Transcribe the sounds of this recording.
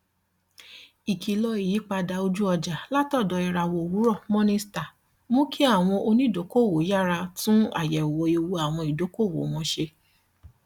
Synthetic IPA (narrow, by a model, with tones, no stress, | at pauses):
i˨kʰi˨lɔ˧i˨ji˨˦k͡pa˧da˧o˧d͡ʒu˦ɔ˧d͡ʒa˨la˦tɔ˦˨dɔ˨˧˦i˨ɾa˨wo˧˨wu˨˦ɾɔ˦˨mɔ̃˦nĩ˦sta˨ | mõ˦kʰi˦a˦˨w̃ɔ̃˧ʔo˧nĩ˦˨do˨˦ko˦˨wo˨˦ja˦˨ɾa˧tũ˦a̰˦˨jɛ˨wo˨˦e˧wo˧a˨w̃ɔ̃˧i˨do˨˦ko˦˨wo̰˨w̃ɔ̃˧ʃe˧